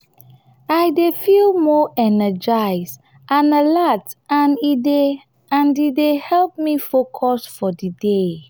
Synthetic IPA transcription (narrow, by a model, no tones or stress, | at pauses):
ajdefilmɔʔɛnəd͡ʒaɪs | ʔãnəlatãnide | ãndidehɛlp̚mifokʰɔsfɔdide